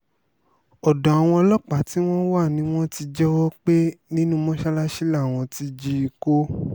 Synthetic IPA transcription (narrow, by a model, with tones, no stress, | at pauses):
ɔ˨dã˨a˨w̃ɔ̃˧lɔ˦k͡pa˨˦ti˨˦w̃ɔ̃˦wa˦˨nĩ˨˦w̃ɔ̃˦ti˧d͡ʒɛ˦wɔ˦k͡pe˦nĩ˦nũ˦mɔ̃˦ʃa˦la˦ʃi˦la˦˨w̃ɔ̃˧ti˧d͡ʒi˧i˧˨ko˦